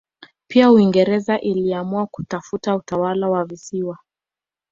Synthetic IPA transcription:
piauiŋɡɛɾɛzaʔiliamuaku̥tafutautawalawavisiwa

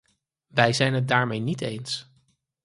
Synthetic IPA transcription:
ʋɛjzɛjnɦət̚daːɹmejnitejns

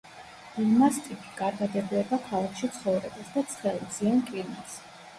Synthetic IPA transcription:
ulmast̪ʼipʰi̥ɡʼaɾd̪ad̪ɛbulɛbakʰalˠakʰʃit̪sʰχɔvɾɛbasd̪at̪sʰχɛlˠd̪z̥inkʼinas

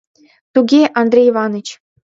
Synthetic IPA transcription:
t̪uɡʲeʔɑnd̪rʲejʋɑnɤ̆t͡ɕ

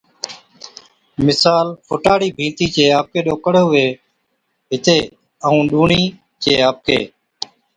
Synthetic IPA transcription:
mɪsaːlfʰʊʈaːɽiːbʱĩːnt̪iːt͡ʃeːaːp̚keːɗoːkəɽːʊʋeː | ɦɪt̪eː | əũːɗuːɳiː | t͡ʃeːaːp̚kḛː

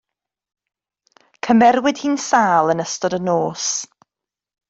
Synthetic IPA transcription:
kʰəmɛrwɪd̥hiːnsaːlˠənəstɔdənoːs

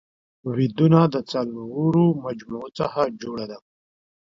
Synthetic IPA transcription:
wid̪unad̪ət͡salwuɾomad͡ʒmut͡saxad͡ʒoːɽad̪a

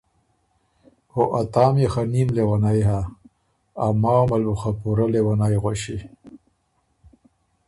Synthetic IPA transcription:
oʔat̪aːmexanimlewanajɦaː | mawmaluxapuɾalewanajɣwoɕi

